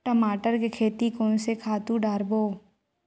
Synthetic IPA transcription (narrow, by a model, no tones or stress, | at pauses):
ʈəmaːʈəɾkekʰeːt̪ikoːnsekʰaːt̪ũɖaːɾboː